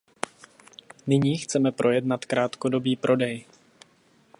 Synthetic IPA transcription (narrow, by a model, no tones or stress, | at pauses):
nɪɲiːxt͡sɛmɛpɾʔo̞jɛdnat̪kɾaːt̪kodo̞biːpɾo̞dɛj